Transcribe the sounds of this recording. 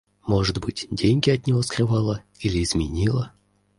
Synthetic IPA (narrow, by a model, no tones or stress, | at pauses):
moʐɨd̪bɨtʲdʲenʲɡʲɪɐt̪ʲnʲɪvoskrʲɨvɑlˠə | ilʲɪːzmʲɪnʲilˠə